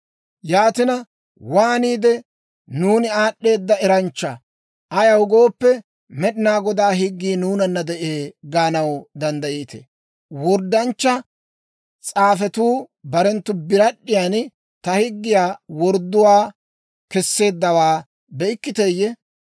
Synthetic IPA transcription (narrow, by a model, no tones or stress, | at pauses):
jaːt̪ɪnɐ | waːniːd̪ɛ | nuːnɪaːɗːe̞ːd̪ːɐɛɾɐnt͡ʃːɐ | ʔɐjɐwɡo̞ːpːɛ | mɛɗɪnaːɡɔd̪aːɦɪɡːiːnuːnɐnːɐd̪ɛʔeːɡaːnɐwd̪ɐnd̪ɐʔiːt̪ḛ | wɔɾd̪ːɐnt͡ʃːɐ | t͡sʼaːfɛt̪uːbɐɾɛnt̪ːʊbɪɾɐɗːɪjaːn | t̪ɐhɪɡːɪjaːwɔɾd̪ːʊwaː | kɛsːe̞ːd̪ːɐwaː | bɛɪkːɪt̪ejːɛ